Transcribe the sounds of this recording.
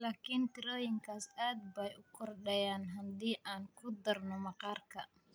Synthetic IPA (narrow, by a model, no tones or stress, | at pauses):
laːkʰint̪ʰɪɾɔːjɪŋkʰaːsaːd̪̚bɛjʔʊkʰɔrɗɛjaːnɦɐnd̪iːʔaːŋkʰʊd̪ɐrnɔmɐqɑːrkʰɐ